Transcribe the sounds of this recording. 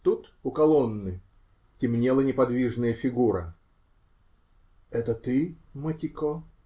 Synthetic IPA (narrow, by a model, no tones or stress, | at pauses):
t̪ut̪ʊkɐlˠonːɨ | tʲɪmnʲelˠənʲɪpɐd̪vʲiʐnɨjəfʲɪɡuɾə̰ | ɛt̪ət̪ɨmətʲɪko